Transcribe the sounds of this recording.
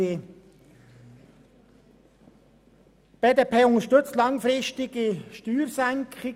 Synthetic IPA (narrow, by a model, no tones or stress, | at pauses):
e | b̥ɛdepʰeːʊnəʃtʏt͡stlɑŋfɾɪʃtɪɡ̥əʃtyːɾsɛŋkʰχɪ